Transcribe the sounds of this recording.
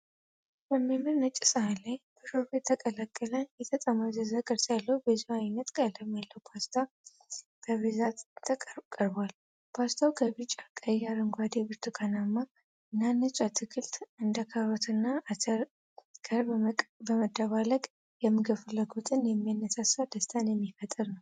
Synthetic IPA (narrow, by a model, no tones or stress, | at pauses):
bəmːamɨɾnət͡ʃʼːisəhalajbəɾofet̪ʰːəkʼəlakʼːələnjɛt̪ʰət̪ʼəməzəzakʼəɾsalːəwbəziwajnːət̪kʼalːəmjalːəwpʰast̪ʰa | kʰəβizat̪t̪ʰːəkʼkʼəɾbal | pʰast̪ʰawkʰəβɨt͡ʃʼːakʼəjaɾɨŋɡʷad̪ebɨɾt̪ʰukʰanamːa | ɨnːanːət͡ʃʼat̪ʰɨkʰɨlt̪ɨnd̪əkʰaɾət̪ʰɨnːa | kʰəɾbəməd̪ːəβaləɡʼ | jɛmːɨɡəfɨləɡot̪ʼɨnjɛmːijanːəsasawd̪əst̪ʰanjɛmːifət̪ʼɨɾnəw